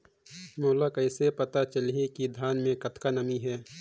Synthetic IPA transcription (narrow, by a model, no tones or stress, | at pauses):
moːlakɐɪsepɐt̪at͡ʃəliekid̪ʱjaːnmẽkɐt̪kanəmiɦɛː